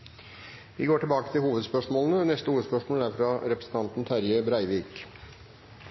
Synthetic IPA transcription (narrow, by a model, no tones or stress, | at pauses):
ʋɪɡoːʈɪlbɑːkət̪ʰɪlhuːʋəd̪spœʂmoːlənənɛst̪əuːɾspœʂmoːlæɾfɾɑɾɛpɾəsn̩t̪ʰɑnt̪n̩t̪ʰæɾjəbɾæɪʋiːk